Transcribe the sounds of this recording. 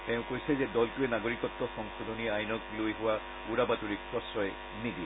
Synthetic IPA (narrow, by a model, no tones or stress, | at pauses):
tɛ̃ʊ̃kojsɛzɛdɔltuɛnaɡoɹikɔtːɔxɔŋsod̪ʱoniajnɔklojɦʊwa | uɹabatuɹikʰɹɔsɹɔj | nidi